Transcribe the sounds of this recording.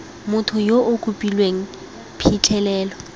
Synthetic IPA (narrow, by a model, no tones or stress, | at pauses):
mʊtʰʊjoʔʊkʼupʼilweŋ̩ | pʰit͡ɬʰʼɛlɛːlɔ